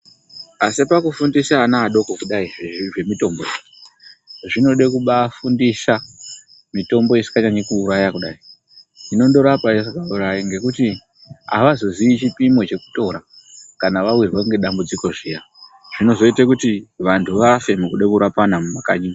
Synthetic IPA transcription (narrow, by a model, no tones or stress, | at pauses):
asipakufundisaːnaːɗo̞kokuɗaieʐe̞mito̞mbo̞je | ʐino̞ɗekuɓafundisa | mito̞mbo̞isi̥kaɲaɲekuːɾajakuɗa̰i | ino̞ndo̞ɾapaesikauɾaiŋɡe̞kuti | a̰ʋazo̞ziit͡ʃipimo̞t͡ʃe̞ku̥to̞ɾa | kanaʋawirwaŋɡe̞ɗambud͡ziko̞ʐija | ʐ̥ino̞zo̞itakutiʋantʰuʋafe̞mukuɗekuɾapanamumaka̰ɲi